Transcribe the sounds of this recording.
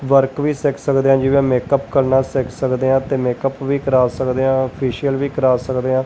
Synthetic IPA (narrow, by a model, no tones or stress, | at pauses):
ʋəɾkʋiːsɛːkʰsəkd̪eːɦãːd͡ʒɪʋẽːmeːkəpkəɾnaːsɛkʰsəkd̪eːɦãːt̪eːmeːkəpʋiːkəɾaːsəkd̪eːãːpʰiːʃijəlʋiːkəɾaːsəkd̪eːãː